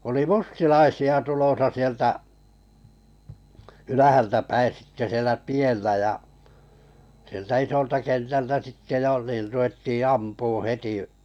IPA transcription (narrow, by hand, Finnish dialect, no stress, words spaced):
oli mustilɑisiɑ tulosɑ sieltæ ylæhæltæpæi sitːe sielæ tielːæ jɑ sieltæ isoltɑ kentæltæ sitːe jo niːr ruetːi ɑmpuːũ heti